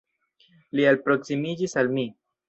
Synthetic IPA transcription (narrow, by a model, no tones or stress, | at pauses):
lialpɾo̞ksimid͡ʒisalmi